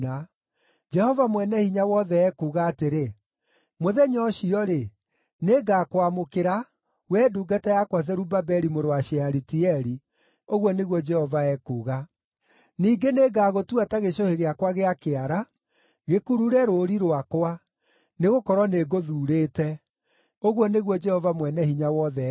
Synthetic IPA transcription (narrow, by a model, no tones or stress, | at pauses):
a | d͡ʒɛhɔvamwɛnɛhiɲawɔðɛɛkuɣaːteɾe | moðɛɲɔɕiɔɾe | neɡakwamokeɾa | wɛduːɡatɛjakwazɛɾubabɛɾimoɾowaʃeaɾitiɛɾi | oɣwɔneɣwɔd͡ʒɛhɔvaɛkuːɣa | niːɡeneɡaːɣotuataɣeʃoheɣeakwaɣeakeaɾa | ɣekuɾuɾɛɾoːɾiɾwakwa | neɣokɔɾwɔneɡoðuːɾeːtɛ | oɣwɔneɣwɔd͡ʒɛhɔvamwɛnɛhiɲawɔðɛ